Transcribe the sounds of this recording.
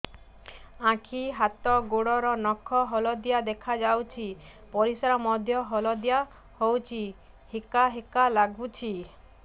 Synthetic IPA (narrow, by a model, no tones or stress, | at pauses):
ãkʰiɦat̪ɔɡoɽɔɾɔnɔkʰːɔɦɔlɔd̪ijad̪ekʰad͡ʒawt͡ʃʰi | pɔɾisaɾɔmɔd̪ʱjɔɦɔlɔd̪ija | howt͡ʃʰi | hekaɦekalaɡbut͡ʃʰi